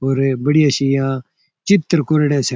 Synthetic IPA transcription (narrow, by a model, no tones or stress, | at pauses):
ɦoːɾbəɽijãːʃijãː | t͡ʃɪt̪ːəɾkoɾɽẽːs